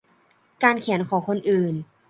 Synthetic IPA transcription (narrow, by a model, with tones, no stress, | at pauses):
kaː˧nkʰi˨˩˦nkʰɔː˩˦ŋkʰo˧nʔɯː˨˩n